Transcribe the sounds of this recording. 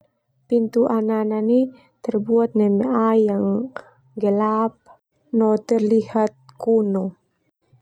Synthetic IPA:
pint̪uʔananani | t̪ərbuat̪̚nɛmeajaŋ | ɡəlap̚ | not̪ərlihat̪̚kuno

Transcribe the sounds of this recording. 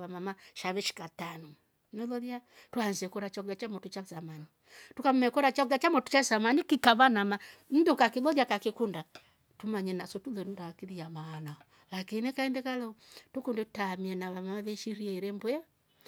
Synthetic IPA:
βamamaʃaβɛʃi̥katanɔ | nɛlɔðja | tuanziɛkɔɾat͡ʃakulat͡ʃamɔtut͡ʃazamani | tukam̩umɛkɔɾat͡ʃakulat͡ʃamɔtu̥t͡ʃasamanikikaβanamam̩dukakilɔðakakikunda | tumaɲɛnasɔtulɛnudaakiðiamaanaɔ | lakinɛkaɛndɛkalɛɔtukundɛtutaːmiɛnaβamamaβɛʃiɾiɛiɾɛmbɔɛ

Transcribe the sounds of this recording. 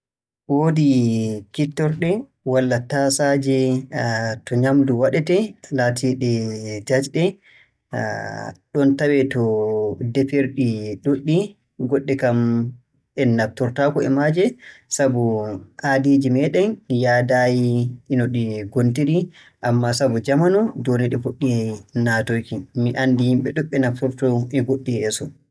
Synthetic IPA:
woːdikitːɔɾɗɛ | walːatasad͡ʒɛ | tɔɲamduwaɗɛtɛlaːtʰiɗɛd͡ʒad͡ʒɗɛ | ɗɔntawɛtɔdepeɾɗiɗoɗːi | ɡɔɗːɛkam | ɛnːaptɔɾtakɔɛ̰mad͡ʒɛsabuʔadid͡ʒimɛɗɛnjadajiinɔɗiɡontiɾi | ʔamːasabud͡ʒamanɔdonɛɗɛfuɗːinatojkimiʔandihimɓɛɗɔɓːɛnapuɾtɔʔɛɡoɗːiɛsɔ

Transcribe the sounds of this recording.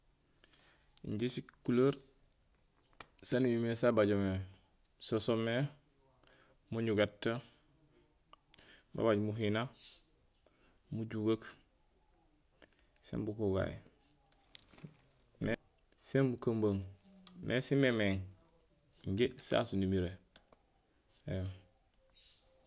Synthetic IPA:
ɲɟisikuloɾ | sanijimesabaɟome | sosome | muɲuɡatːa | ba̰baɟmuɦina | muɟuɡak | sḛmbukuɡa̰j̰ | me | senbukambaŋmʔesimemeŋ | ɲɟesa̰sunimiɾe | e

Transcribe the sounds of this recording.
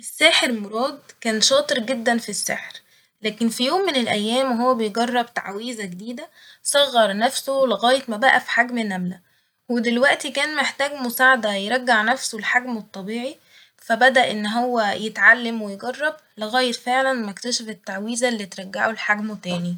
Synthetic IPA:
ʔesːæːħeɾmoɾˤɑːd̪kæːnʃɑːt̪ˤɨɾɡed̪ːænfisːḛħɾ | læːkenfijoːmːenelʔæjːæːmɦowːæbejɡɑrˤːɑbt̪a̰ʕwiːzæɡed̪iːd̪æ | sˤɑɣːɑɾˤnæfsoleɣæːjet̪mæbæʔæfi̥ħaɡmenæmlæ | wed̪elwæʔt̪ikæːnmeħt̪æːɡmosaːʕad̪æjeɾˤɑɡːaʕnæfsolħaɡmet̪ˤːɑbiːʕi | fæbæd̪æʔʔenːɦowːæjet̪ʕalːæmwejeɡɑrˤːɑb | leɣæːjeɾfeʕlænmæekt̪æʃæfet̪ːaʕwiːzælːiːt̪ɾˤɑɡːaʕolħaɡmot̪æːni

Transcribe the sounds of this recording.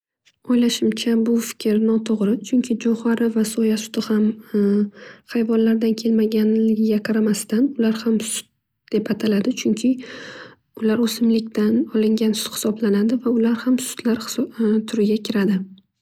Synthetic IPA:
ɒjlaʃɪmt͡ʃʰabʊfɪ̥kʲɾnɒt̪ʰoʁɾɪt͡ʃʰʊŋkʲʰɪd͡ʒɒhaɾɪvasɒjasʊ̥t̪ʰɪham | χajvɒnlaɾd̪ankʲʰe̞lmaɡʲanlɪɡʲɪɡʲaqʰɑɾamast̪anʊlaɾhamsʊ̥t̪̚ | d̪̥e̞pat̪ʰalad̪ɪt͡ʃʰʊŋkʲʰɪ | ʊlaɾosɪmlɪkʲt̪ʰanɒlɪŋɡʲansʊ̥t̪hɪ̥sɒblanad̪ɪvaʊlaɾhamsʊ̥t̪ʰlaɾt̪ʰʊɾɪɡʲakʲʰɪɾad̪ɪ

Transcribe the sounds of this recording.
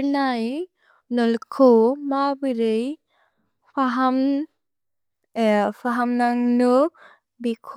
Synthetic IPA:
naj | nɔlkʰomabɯɾɯj | pʰaɦam | pʰaɦamnaŋnu | bikʰ

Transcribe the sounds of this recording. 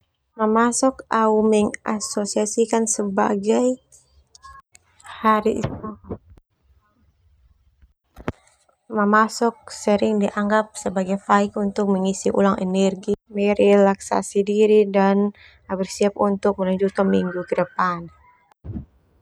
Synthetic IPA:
məmasɔkaumɛŋʔasosiasikansəba̰ɡaj | haɾiʔ | məmasɔk̚səɾɪŋdiʔaŋɡap̚səbaɡajfaikunt̪ʊk̚məŋisiʔṵlaŋɛ̰nɛrɡimɛɾɛlaksa̰sidiɾidan | abirsiap̚unt̪ʊk̚məlaɲd͡ʒut̪ɔmiŋɡukəɾəpan

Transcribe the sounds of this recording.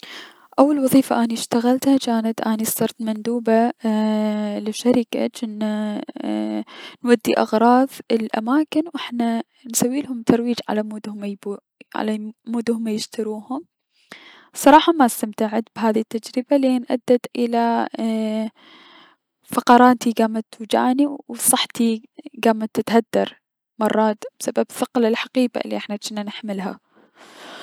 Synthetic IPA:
ʔawːalwɑðˤiːfaʔaniʃt̪aɣalt̪hat͡ʃaːnat̪ʔaːnisˤt̪ɑɾˤt̪mand̪uːba | lɪʃaɾɪka̰t͡ʃɪnːa | nwad̪ːiʔɪɣɾˤɑːðɪlʔa̰maːkɪnwʔɪħna | nsawːiːlhʊmt̪ɑɾˤwiːd͡ʒʕa̰lamuːd̪hʊmb | ʕa̰lamuːd̪hʊmːajɪʃt̪aɾuːhʊm | sˤɑɾˤɑːħɑmast̪amt̪aʕɪd̪bɦaːðit̪ːad͡ʒɾɪbalenʔa̰d̪ːat̪ʔɪla | fɑqɑɾˤɑːt̪iɡaːmat̪ːud͡ʒa̰ːniwsˤɑħt̪iɡaːmat̪ːɪt̪had̪ːɑɾˤ | mɑrˤːɑːt̪b̥sababθɪqlɪlħaqiːba̰ʔɪlːḭʔɪħnat͡ʃɪnːanɪħmɪlɦa̰

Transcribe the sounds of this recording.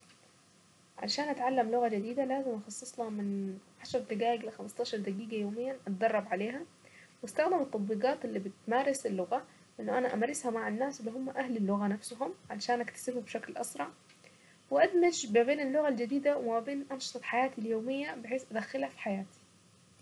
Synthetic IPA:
ʕa̰lʃaːnʔat̪ʕalːamlʊɣad͡ʒɪd̪iːd̪alaːzɪmʔɑxɑsˤːɨsˤlɑmɪnʕaʃɑɾˤt̪ɪɡaːʔɪɡlɪxamɑst̪ɑːʃɑɾˤd̪aɡiːɡajoːmɪjːanʔat̪̚d̪ɑrˤːɑbʕaleːɦa | wɪst̪axd̪ɪmɪt̪ˤːɑd̪ˤbiːɡɑːt̪ɪlːiːbɪt̪maːɾˤɪsɪlːʊɣa | ʔɪnːʊʔanaʔamɾɪshamaʕanːaːsɪlːiɦʊmːʔahlɪlːʊɣanafsʊɦʊmʕalʃaːnʔakt̪ḁsɪbhubʃaklʔɑ̰sɾˤɑʕ | wɪʔad̪mad͡ʒmabeːnɪlːʊɣald͡ʒɪd̪iːd̪awɪmabeːnʔɑnʃɨ̥t̪ˤɑħajaːt̪iljoːmɪjːabɪħeːsʔad̪axːɪlhafi̥ħajaːt̪i̥

